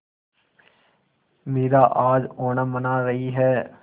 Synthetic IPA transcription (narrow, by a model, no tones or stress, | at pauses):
meːɾaʔaːd͡ʒoːnamɐnaɾɐɦiɦɛː